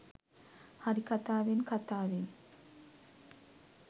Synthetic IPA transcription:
haɾikat̪aːʋenkat̪aːʋen

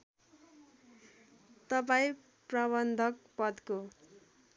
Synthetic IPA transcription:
t̪ʌp̬aĩ | prabʌnd̪ʱʌk̚pʌd̪ko

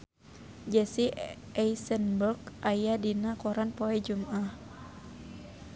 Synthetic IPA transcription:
d͡ʒɛsi | ɛisənburkajadinakɔɾanpoɛd͡ʒumʔah

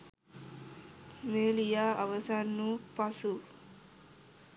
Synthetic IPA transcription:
meːlijaaʋəsanːupasu

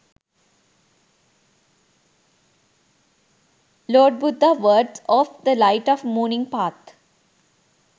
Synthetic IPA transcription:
lɔːɖ̚bʊd̪ʱːaʋəːɖsɔːfd̪əlaɪʈɔʋmɔːnɪ̃ŋpaːt̪ʰ

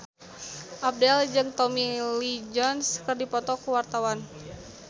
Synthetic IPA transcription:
ʔap̚dɛld͡ʒɨŋt̪ɔmilid͡ʒɔnskərdipɔt̪ɔkuwart̪awan

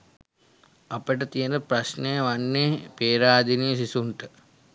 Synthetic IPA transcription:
apəʈət̪ijənəpɾasnejəʋanːeːpeːɾaːd̪inijsisuɳʈə

